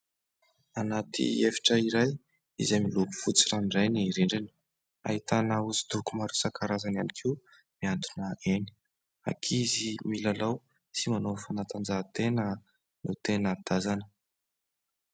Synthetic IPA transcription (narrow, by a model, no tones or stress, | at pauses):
anat̪ḭefi̥ʈ͡ʂəiɾaj | ḭzemilubu̥fut͡siɾanirajniɾeɳɖ͡ʐenə̥ | a̰ɦit̪anauzid̪ukumaɾusakaɾazananikʰi | miant̪unəʔeni̥ | a̰kʰizimilalaw | simanofanat̪and͡zat̪enə | nut̪enəd̪̥azanə̥